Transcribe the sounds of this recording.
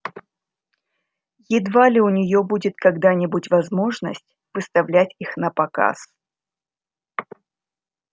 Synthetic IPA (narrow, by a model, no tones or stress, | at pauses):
jɪd̪valʲɪʊnʲɪjo̞budʲɪt̪kɐɡd̪anʲɪbutʲvɐzmo̞ʐnə̰sʲtʲ | vɨst̪ɐvlʲætʲixnəpɐka̰s